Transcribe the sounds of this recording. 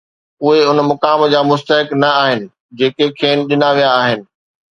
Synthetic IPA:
ʊɦeʊnmʊkaːmd͡ʑaːmʊst̪əɦɪknɐaːɦɪnɪ̆ | d͡ʑeːkekʰeːnɗɪnaʋijaːɦɪnɪ̆

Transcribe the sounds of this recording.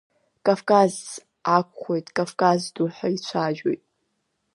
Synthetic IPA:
kʼavkʼaz | akʷʰʼχʷojtʼkʼavkʼazduħait͡ɕʷʰaʒo̰jtʼ

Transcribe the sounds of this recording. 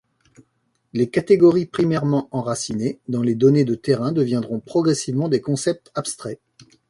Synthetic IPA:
lekat̪eɡɔʁipχimɛʁmɑ̃ʔɑ̃ʁasined̪ɑ̃led̪ɔned̪ət̪eʁɛ̃d̪əvjɛ̃d̪ʁɔ̃pχɔɡʁɛsivmɑ̃d̪ekɔ̃sɛp̚t̪apst̪χɛ

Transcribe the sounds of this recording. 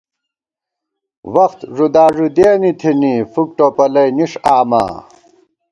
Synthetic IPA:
wɐxt̪ʐud̪aːʐud̪eːnit̪ʰinifuk̚ʈopɐlɐjniʂaːma̰ː

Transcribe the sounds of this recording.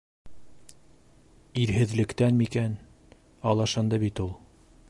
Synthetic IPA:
iɾɦɘ̆ðlɘ̆kt̪ænmikæn | ɑlˠɑʃɤnd̪ɑbit̪ulˠ

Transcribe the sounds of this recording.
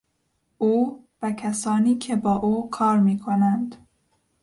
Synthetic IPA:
ʔuː | vækʰæsɒːniːkʰe̞bɒːʔuːkʰɒːɾmiːkʰonænd̪̥

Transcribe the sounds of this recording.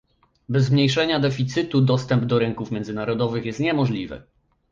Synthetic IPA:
bɛzmɲejʂɛɲad̪ɛfʲit̪sɘt̪ud̪ɔst̪ɛmbd̪ɔɾɘŋkufmʲjɛnzɘnaɾɔd̪ɔvɘxjɛst̪ɲɛmɔʐlʲivɘ̰

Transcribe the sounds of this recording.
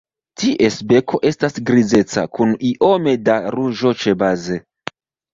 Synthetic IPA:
tiʔe̞sbe̞kʰo̞ʔe̞stasɡɾize̞t͡sa̰kuniʔo̞me̞daɾuʒo̞t͡ʃe̞baze

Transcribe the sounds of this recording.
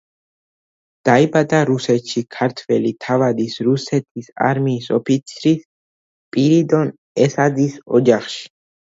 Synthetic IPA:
d̪̥aibad̪ʼaɾusɛt̪ʃikʰaɾt̪ʰvɛlit̪ʰavad̪isɾusɛt̪ʰisa̰ɾmiːsɔpʰit̪sʰɾis | pʼiɾid̪ɔn | ɛsad̪isɔ̰d͡ʒaχʃi̥

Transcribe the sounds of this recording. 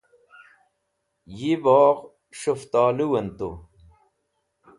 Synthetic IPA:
jibɑːʁ | ɕoft̪aːluwɐnt̪o̰

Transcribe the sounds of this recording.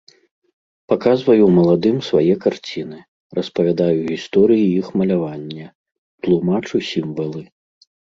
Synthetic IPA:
pakazvɐjumɐlˠad̪ɨmsvajɛkart͡sʲin̪ɨ | rɐspɐvʲad̪ajuɣʲist̪ɔɾɨjiixmɐlʲavanʲːɐ | t̪lˠumat͡ʂusʲimvɐlˠɨ

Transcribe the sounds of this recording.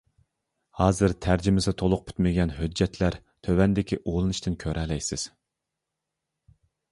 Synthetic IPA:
hɑːzɨɾt̪ʰæɾd͡ʒɪmɪsɪt̪ʰolˠʊq̚pʰy̥t̪mɪɡʲɛnhød͡ʒːɛt̪ʰlæɾ | t̪ʰøwɛnd̪ɪkʲiʔolˠɨnɨʃt̪ɨnkʲʰøɾɛlɛjsɪz̥

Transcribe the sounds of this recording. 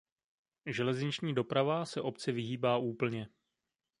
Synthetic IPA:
ʒɛlɛzɲɪt͡ʃɲiːdo̞pɾavasɛʔo̞pt͡sɛvɪɦiːbaːʔuːpl̩ɲɛ

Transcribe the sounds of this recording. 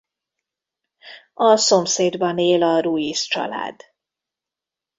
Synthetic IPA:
ɒso̞mseːd̪bɒneːlɒɾuist͡ʃɒ̰la̰ːd̪

